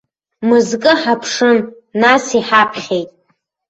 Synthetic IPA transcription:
mɨzkʼɨħapʰʂɨn | nasiħapʰχʲejtʼ

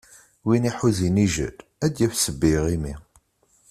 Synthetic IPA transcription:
winiħuziniʒə̰dæd̪jæfsəbːiʁimi

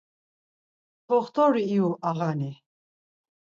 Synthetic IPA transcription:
pʰɔχt̪ʰɔɾiːuʔaʁani

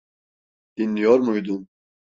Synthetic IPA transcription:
d̪̥inːijoɾmujd̪um

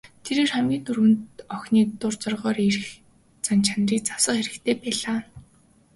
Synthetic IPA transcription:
t̪ʰeɾeːrχæmɡʲiːt̪ɵrwɘ̆nt̪ɔxniːt̪ʊrt͡sɔrʁɔːɾirx | t͡sant͡ɕʰanriːk̚t͡sawsə̆χeɾɘ̆kt̪ʰeːpæːɮaː

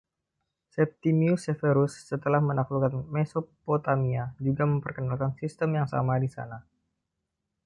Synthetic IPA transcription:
sɛp̚t̪imiusefeɾusːət̪əlahmənaklukanmɛsopot̪amiad͡ʒuɡaməmpərkənalkansist̪əmjaŋsa̰madisa̰na

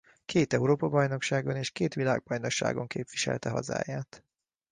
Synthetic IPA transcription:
kʰeːt̪ɛuɾoːpɒbɒjno̞kʃaːɡo̞neːʃkeːt̪ʋila̰ːɡ̚bɒjno̞kʃa̰ːɡo̞ŋkeːpʋiʃɛ̰lt̪ɛɦɒ̰za̰ːjaːt̪

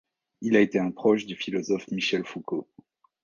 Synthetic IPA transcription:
ilaet̪eɛ̃pχɔʃd̪yfilɔzɔfmiʃɛlfuko

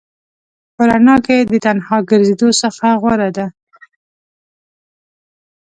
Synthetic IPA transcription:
poɾanɑked̪ət̪anhɑɡəɾzed̪osəxaɣwaɾad̪a

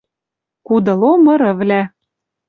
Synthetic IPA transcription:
kud̪ɤ̆lomɤ̆ɾɤ̆vlæ

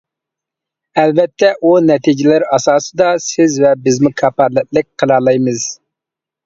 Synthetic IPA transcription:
ɛlvɛt̪ʰːɛʔunɛt̪ʰid͡ʒɪlɪɾɑsɑːsɨd̪ɑsɪzvɛbɪzmukʰɑpɑɾlˠɨt̚lˠɨk̚ʲqʰəlˠɑlˠɑjmɨz̥

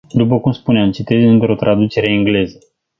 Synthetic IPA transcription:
d̪up̬əkumspuneamt͡ʃit̪e̞zɨnt̪ɾo̞t̪ɾʔad̪ut͡ʃe̞ɾe̞iŋɡle̞zə

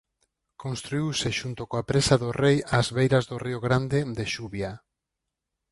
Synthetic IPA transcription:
konst̪ɾuiwsɪʃunt̪okoapɾesaðʊrejazβejɾazðʊrioɣɾand̪ɪd̪eʃuβja

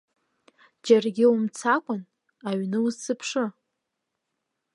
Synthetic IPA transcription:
d͡ʒarɡʲɪumt͡sʰakʷʼʊn | aɥnɨuzsɨpʰʂɨ

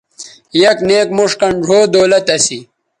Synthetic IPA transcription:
jɐkneːkmuʂkɐɳɖʱoːd̪oːlɐt̪ɐsi

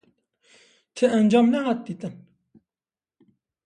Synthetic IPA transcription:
t̪ʰɨʔænd͡ʒɑːmnɛɦɑːt̪̚d̪iːt̪ɨn

